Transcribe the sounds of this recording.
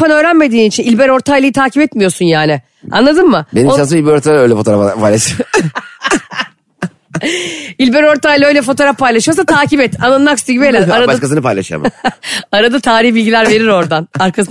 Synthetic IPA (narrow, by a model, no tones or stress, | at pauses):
anø̞ːɾænme̞d̪iːnit͡ʃʰinilʲbeɾo̞ɾt̪ʰajlˠɯjit̪ʰaːcʰibɛt̪mijo̞sunjaːnɪ | anlˠad̪ɯmmɯbenimʃans̬milʲbeɾoɾt̪ʰaøjlʲɛfot̪ʰoɾapʰajlˠaʃɯ | ilʲbeɾo̞ɾt̪ajlˠaø̞jlʲɛfo̞t̪oɾafpajlˠaʃɯjos̬at̪ʰaːcipɛt̪a̰nˠanmakyst̪iɟibelʲaaɾabaʃkasɯnɯpalʲˠa̰ʃɯja̰maɾad̪at̪ʰaːɾihbilʲɟilʲæɾve̞ɾiɾo̞ɾd̪anaɾkʰas